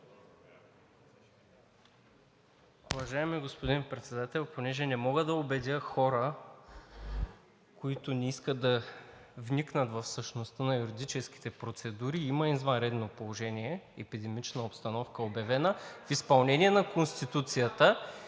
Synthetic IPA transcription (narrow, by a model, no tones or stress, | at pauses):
ʊvɐʒaɛmiɡospod̪inpɾɛt̪sɛd̪at̪ɛlʲˠponɛʒɛnɛmɔɡəd̪ɐobɛd̪ʲjəxɔɾə | koit̪ʊnɛiskəd̪ɐ | vniknət̪vɐfsəʃnost̪ənɐjuɾid̪it͡ʃɛsk̟i̥t̪ɛpɾot̪sɛd̪uɾiiməizvɐnɾɛd̪nopolˠoʒɛniɛɛpid̪ɛmit͡ʃnəopst̪ɐnɔfkəobjɐvɛnəfispɐlˠnɛniɛnɐkonst̪it̪ut̪sijət̪ə